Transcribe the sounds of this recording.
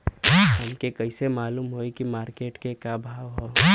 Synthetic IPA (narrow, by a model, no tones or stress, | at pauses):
ɦɐmkekɐɪsemaːluːmɦoːikimaːɾkeːʈkekabʱaːʋɦoː